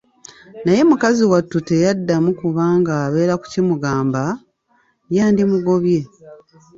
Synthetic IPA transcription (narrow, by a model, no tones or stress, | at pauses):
naje̞mukaziwatːute̞jadːamukuβaːŋɡaːβe̞ːɾaku̥cimuɡaːmba | jaːndimuɡo̞βje̞